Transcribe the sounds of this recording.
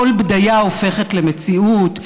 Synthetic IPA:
olbd̪ajaofe̞χetle̞met͡siut

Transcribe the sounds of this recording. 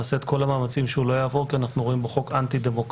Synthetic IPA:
ase̞ːt̪kʰo̞lamaːmat͡simʃeulo̞jaːvo̞ʁkianaχnuʁo̞imbeχo̞kant̪id̪emo̞k

